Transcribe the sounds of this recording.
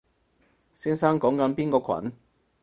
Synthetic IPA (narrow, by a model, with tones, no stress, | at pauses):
siː˥nsa˥ŋkɔː˨˥ŋkɐ˨˥npiː˥nkɔː˧kʷʰɐ̰˨˥n